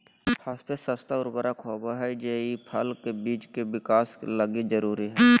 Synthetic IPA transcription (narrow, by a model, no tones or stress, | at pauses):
pʰaspesəst̪aʊɾbəɾakʰoːbaɦɛd͡ʒeːipʰəlkebiːt͡ʃkebɪkaːsləɡid͡ʒəɾuːɾiɦɛː